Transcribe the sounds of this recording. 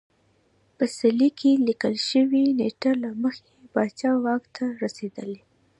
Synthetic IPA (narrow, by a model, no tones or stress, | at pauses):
pəsalikʰelikəlʃəwineʈalaməxebɑt͡ʃɑwɑkt̪ʰaɾased̪əle